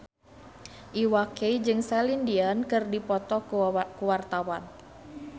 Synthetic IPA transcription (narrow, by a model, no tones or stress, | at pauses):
ʔiwakeid͡ʒɨŋsalindiankɨrdipɔt̪ɔkkuwart̪awan